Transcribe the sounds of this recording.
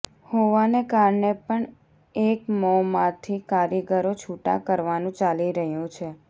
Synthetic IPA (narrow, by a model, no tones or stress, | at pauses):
hoʋanekaɾɳepəɳ | ekmɔmãt̪ʰikaɾiɡəɾot͡ʃʰuʈa̰kəɾʋanũt͡ʃaliɾəɦjũt͡ʃʰe